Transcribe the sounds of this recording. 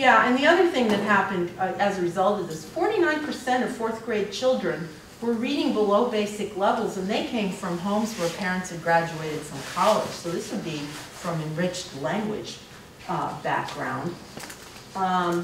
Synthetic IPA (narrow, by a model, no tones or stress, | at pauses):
jæɨ̃nðiʌðə˞θɪ̃ŋðɨt̚ɦæpɨ̃ndɨzəɹɨzʌlˠtɨzðɪz̥fɔɹɾinãɪ̃npʰə˞sɛ̃ɾ̃ʌv̥fɔɹθɡ̥ɹeɪd̚t͡ʃʰɪlˠdɹɨ̃n | wə˞ɹiɾɪ̃ŋbəloʊbeɪsɨklɛvl̩ˠzə̃nðeɪkʰẽɪ̃ɱfɹʌ̃mɦõʊ̃mzwə˞pʰɛɹɨ̃ntsɨd̚ɡɹæd͡ʒʉeɪɾɨd̥sʌ̃mkʰɑlˠɪ̰d̥ʒ̥soʊðɪswɨd̚bifɹʌ̃mɨ̃nɹɪt͡ʃtlæ̃ŋɡwɪ̰d̥ʒ̥ | bæ̰k̚ɡ̥ɹã̰ʊ̃nd̥